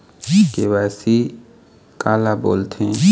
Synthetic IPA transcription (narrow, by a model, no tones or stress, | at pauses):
kewaːsi | kaːlabo̰ːlt̪ʰẽː